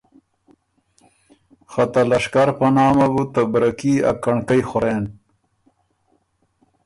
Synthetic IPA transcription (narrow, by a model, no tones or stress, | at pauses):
xat̪alaʂkaɾpanɑːmabut̪abɾakia̰kaɳkajxʊɾen